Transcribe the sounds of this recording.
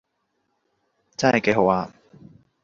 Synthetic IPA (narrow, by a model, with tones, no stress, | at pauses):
t͡sɐ˥nhɐ˨˩jke˨˧jɦo˨˥waː˧